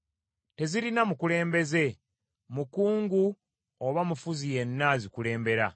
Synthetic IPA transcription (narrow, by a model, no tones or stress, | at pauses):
te̞ziɾinamukule̞ːmbe̞ze̞ | mukuːŋɡu | oβamufuzije̞nːazikule̞ːmbe̞ɾa̰